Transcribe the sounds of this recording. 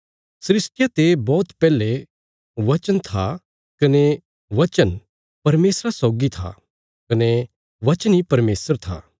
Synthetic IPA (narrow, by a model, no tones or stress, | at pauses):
sɾɪsʈjat̪ebɔːt̪pɛːle | ʋɐt͡ʃənt̪ʰa | kɐne | ʋɐt͡ʃən | pɐɾmeːsɾasɔːɡit̪ʰa̰ | kɐne | ʋɐt͡ʃənipɐɾmeːsəɾt̪ʰa̰ː